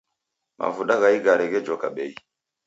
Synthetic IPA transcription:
mʔa̰vuɗaɣaiɡaɾeɡed͡ʒokaɓei

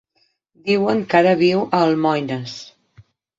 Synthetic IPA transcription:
d̪iwəŋkaɾəβiwʔəlˠmɔjnəs

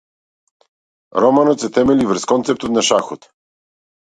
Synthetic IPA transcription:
ɾɔmanɔt̪sɛt̪ɛmɛlivrɾskɔnt̪sɛp̚t̪ɔt̪naʃaxɔt̪

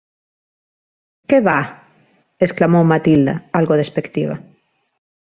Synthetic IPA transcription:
keβa | esklamomat̪ild̪a̰alɣoðespekt̪iβa

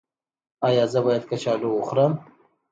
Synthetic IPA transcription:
ɑːjɑːzəbɑːjad̪̚kat͡ʃɑːɖooxɾəm

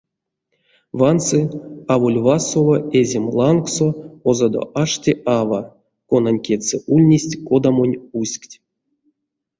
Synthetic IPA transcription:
vansɨavolʲvasolˠaezʲemlˠanksoozad̪o̞̰ʔaʂtʲeava | konanʲkʲet̪sɨʔulʲnʲesʲtʲkod̪amonʲusʲktʲ

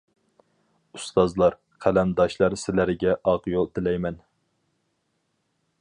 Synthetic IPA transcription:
ust̪ɑzlˠɑɾ | qʰælɛmd̪ɑʃlˠɑɾsɪlæɾɡʲɛʔɑqjolˠt̪ʰɪlɛjmɛn

